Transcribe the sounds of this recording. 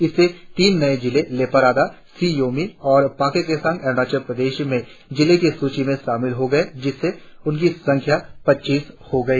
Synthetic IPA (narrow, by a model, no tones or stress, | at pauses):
ɪsːet̪iːnːɐed͡ʒɪleleːpəɾaːd̪a | siːjoːmiɔːɾpaːkekesɐ̃ŋɡɛɾɽaːt͡ʃəɾpɾɐd̪eːʃmẽ | d͡ʒɪlekesuːt͡ʃimẽʃaːmɪlɦoɡɐed͡ʒɪsːe | ʊnk̬isɐ̃ŋkʰjapɐtːʃiːshoɡɐiː